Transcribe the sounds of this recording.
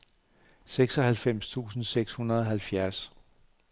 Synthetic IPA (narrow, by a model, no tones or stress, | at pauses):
seɡ̥sɒ̽ɦælfem̰st͡sʰṵːsn̩seɡ̥shunɐðˠɒɦælfjæɐs